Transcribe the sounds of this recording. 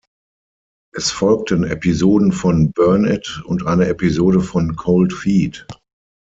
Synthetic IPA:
ʔɛsfɔlk̚tʰənɛ̰pʰizoːdn̩fɔnbœɐnɛtʊntʔaɪnəʔɛpizoːɾəfɔnkʰoʊltfiːt

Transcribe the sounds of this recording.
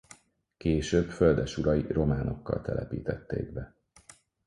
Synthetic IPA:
keːʃøːbføld̪ɛʃuɾɒjiro̞maːno̞kːɒ̰lt̪ʰɛlʔɛpḭːt̪ɛt̪ːḛːɡbɛ

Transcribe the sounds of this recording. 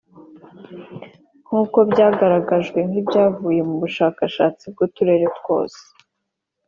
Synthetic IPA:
ŋ̥huːko̞bɟaːɡaɾaɡaʒɡwe̞ŋ̥hibɟaːvuːje̞muβuʃaːkaʃaːt͡sib̚ɡutuɾe̞ːɾetwo̞̰ːse̥

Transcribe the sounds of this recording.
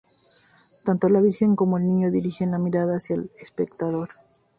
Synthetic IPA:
t̪ant̪o̞laβiɾxe̞ŋko̞mo̞elnĩɲo̞ðiɾixenlamiɾaðaːsjalespe̞kt̪aðo̞ɾ

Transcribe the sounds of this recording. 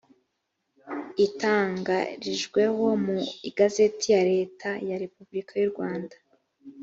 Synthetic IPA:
itaːŋɡaɾiʒɡwe̞ho̞muiɡaze̞tijaɾe̞ːtʰajaɾe̞pubɾikajuɾɡwaːndḁ

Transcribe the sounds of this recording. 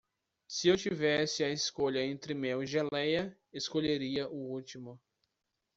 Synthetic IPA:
sɪewt͡ʃivɛsɪɐeskoʎɐẽnt̪ɾɪmewʒelɛjɐ | eskoʎeɾiɐʔʊut͡ʃimʊ

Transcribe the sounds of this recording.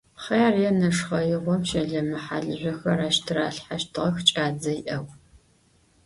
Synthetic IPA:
χeːrjɛnɐʂχɐjɪʁʷɔpʃɐɮɐmɨħaɮɨʑʷɔxɐɾaːʃtʰɨɾaːɬħaʃtʰɨʁɐxt͡ʃʼaːd͡zɐjɪʔɐw

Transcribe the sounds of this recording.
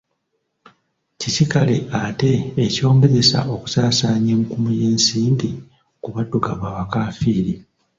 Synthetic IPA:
cisikale̞ʔate̞ːco̞ːmbezesa̰ʔo̞ku̥saːsaːɲemukumujeːnsiːndi | kuβaduɡaβaβakaːfiːɾi

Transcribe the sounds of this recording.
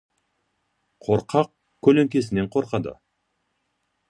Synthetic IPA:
qʰoɾqʰɑq̚ | kʲʰːɵleŋkʲe̞s̬ɪne̞ɴqʰo̞ɾqɑd̪ə̰

